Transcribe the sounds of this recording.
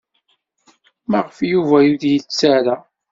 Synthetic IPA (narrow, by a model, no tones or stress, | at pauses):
mæʁəfjuvæjuðjət͡sːaɾa